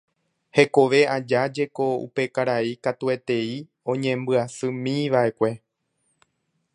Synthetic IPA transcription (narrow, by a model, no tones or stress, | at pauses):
he̞ko̞ʋe̞ad͡ʒad͡ʒe̞ko̞ṵpe̞kaɾaikat̪ue̞t̪e̞i | õ̞ɲẽ̞mbɨasɨmĩʋae̞kʷe̞